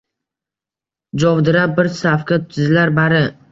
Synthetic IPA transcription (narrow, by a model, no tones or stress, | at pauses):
d͡ʒɒvd̪ɪɾabɪɾsafkʲat̪ʊɪzlaɾbaɾɪ